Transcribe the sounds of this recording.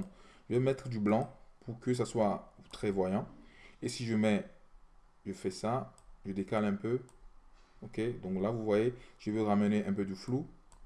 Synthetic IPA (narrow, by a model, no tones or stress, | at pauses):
ʒəvɛmɛt̪χd̪yblɑ̃puʁkəs̬aswat̪χɛvwajɑ̃esiʒəmɛ | ʒəfɛsaʒəd̪ekalɛ̃pø | oked̪ɔ̃klavuvwajeʒ̥əvøʁaməneʔɛ̃p̬ød̪əflu